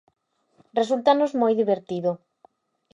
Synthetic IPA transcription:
result̪anozmojðiβeɾt̪iðʊ

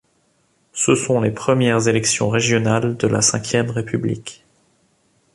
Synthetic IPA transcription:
səsɔ̃lepχəmjɛʁzelɛksjɔ̰̃ʁeʒjɔnald̪əla̰sɛ̃kʲjɛmʁepyblḭk

